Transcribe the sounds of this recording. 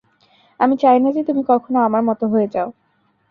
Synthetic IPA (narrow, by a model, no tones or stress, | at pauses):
amit͡ɕajnad͡ʑet̪umikɔɾkʰonoamaɾmɔt̪oɦoed͡ʑao